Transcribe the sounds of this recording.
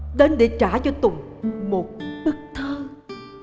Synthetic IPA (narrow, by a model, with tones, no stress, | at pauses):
ɗe˨˦nɗe˧˩t͡ɕaː˧˩t͡ɕɔ˧t̪ʊ˨˩ŋ͡m | mo˨˩t̚ɓɨ˦˥k̚t̪ʰəː˧